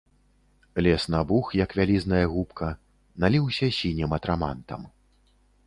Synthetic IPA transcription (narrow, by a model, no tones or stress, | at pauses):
lʲɛsnabuxjɐkvʲalʲiznɐjɐɣupkʰɐ | nalʲiwsʲɐsʲinʲɛmɐt̪ɾama̰nt̪ɐ̰m